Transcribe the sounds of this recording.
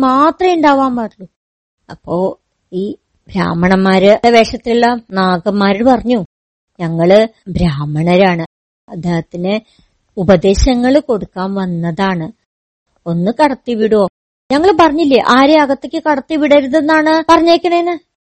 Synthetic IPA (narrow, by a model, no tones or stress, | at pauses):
maːt̪rɐiɳɖaːʋaːmpɐʈlːu | ɐpːo̞ː | iː | bɾa̰ːmɐɳɐmːaːɾɨeʋe̞ːʂɐt̪ːilelːɐmnaːɣɐmːaːɾiɭpɐrɐɲːu | ɲɐŋːɐɭɨbɾaːmɐɳɐɾaːɳɨ | ɐd̪ːeːhɐt̪ːinɨ | ubɐd̪e̞ːɕɐŋːɐɭko̞ɽukːaːnʋɐnːɐðaːɳɨ | o̞nːɨkɐɽɐt̪ːiʋiɽuo̞ː | ɲɐŋːɐɭpɐrɐɲːilːɐjɐʔaːɾeɐɣɐt̪ːekʲːɨkɐɽɐt̪ːiʋiɽɐɾuðenːaːɳɨpɐrɐɲːeːkʲːɐɳɐenːɨ